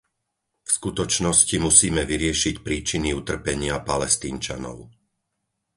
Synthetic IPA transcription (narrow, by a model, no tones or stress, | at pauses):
fskut̪ɔt͡ʃnɔscimusiːmɛʋiɾɪɛʃicpɾiːt͡ʃiniut̪r̩pɛɲɪapalɛst̪iːnt͡ʃa̰nɔ̰ʊ